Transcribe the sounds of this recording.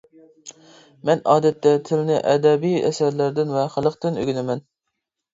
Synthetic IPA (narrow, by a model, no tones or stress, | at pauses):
mɛnɑːd̪ɛt̪ʰːɛt̪ʰɪlnɪʔɛd̪ɛbijɛ̰sæɾlæɾd̪ɪnvɛχəlˠəqt̪ɨnø̰ɡʲinɪmɛn